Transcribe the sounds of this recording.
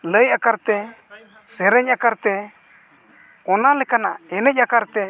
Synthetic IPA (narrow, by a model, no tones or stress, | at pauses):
ləjakaɾt̪ɛ | sɛɾɛɲʔakaɾt̪ɛ | kɔnalɛkana̰ʔɛnɛc̚akaɾt̪ɛ